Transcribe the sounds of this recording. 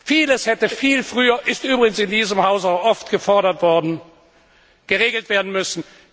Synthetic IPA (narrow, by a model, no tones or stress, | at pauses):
fiːləshɛtəfiːlfʁ̥yːɐʔɪstʔyːbʁɪɡən̩sɪndiːzəmhaʊsabɐɔftɡ̥əfɔɐɾɐtv̥ɔɐdn̩ | ɡ̥əʁeːɡl̩tv̥eːɐdn̩mʏsn̩